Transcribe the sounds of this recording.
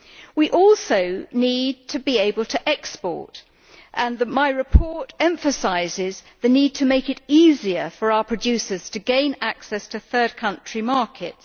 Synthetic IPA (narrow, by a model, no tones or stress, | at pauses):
wiʔɔlˠsəʊnid̚tʰəbieɪbəlˠtʰəʔɛkspɔ̰ɹt | ʔə̃nðəmaɪɹɨpʰɔɹtɛ̃ɱfəsaɪzɪzðɨnid̚tʰəmeɪkɪɾiziəfə˞aʊəpʰɹ̥ɨdʉˑsəz̥tʰɨɡẽɪ̃naksɛstʰɨθɜ˞d̚kʰʌ̃nt͡ʃɹ̥imɑɹkʰɪts